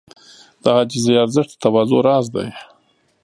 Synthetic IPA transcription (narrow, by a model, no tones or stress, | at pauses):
d̪̥əhɑd͡ʒɪzjɑɾzəʂd̪ə̥t̪awɑzoɾɑzd̪a̰j